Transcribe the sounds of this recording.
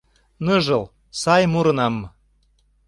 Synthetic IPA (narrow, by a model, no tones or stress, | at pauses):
nɤʒɤl | sɑjmuɾɤ̆nɑm